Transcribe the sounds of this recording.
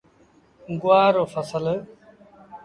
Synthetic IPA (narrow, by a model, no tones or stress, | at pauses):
ɡʊʋaːɾoːfəsəl